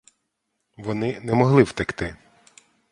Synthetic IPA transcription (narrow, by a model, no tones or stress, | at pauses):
ʋɔnɪnɛmɔɦlˠɪwt̪ɪkt̪ɪ